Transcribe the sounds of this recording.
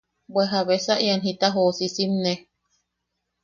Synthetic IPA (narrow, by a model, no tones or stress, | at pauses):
bweɦaβesaʔianɦit̪aɦoːsisimne